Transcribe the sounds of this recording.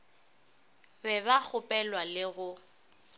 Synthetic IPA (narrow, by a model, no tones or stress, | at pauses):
bɛβak͡xʰʊpʼɛlwalɪɣʊ